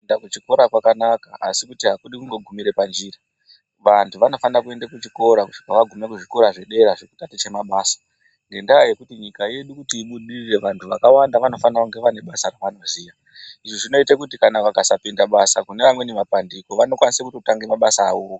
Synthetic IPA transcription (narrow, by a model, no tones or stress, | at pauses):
dakut͡ʃiko̞ɾakwakanakaa̰sikutiɦakuɗikuŋɡo̞ɡʱumiɾe̞pand͡ʒiːra | ʋantʰuʋano̞fanakue̞ndekut͡ʃiko̞ɾakuʂi̥kaʋaɡʱume̞kuʐiko̞ɾaʐe̞ɗe̞ɾaʐeku̥tatit͡ʃemaɓaːsḁ | ŋɡe̞ndajaje̞kutiɲikaje̞ɗukutiːɓuɗirire̞ʋantʰuʋakawandaʋano̞fanauŋɡe̞ʋane̞ɓasaɾaʋano̞ziːja | iʐiʐino̞itakutikanaʋakasapindaɓasakune̞ʋamwe̞nemapandiko̞ʋano̞kwanisekutotaŋɡemaɓasa̰ːokḁ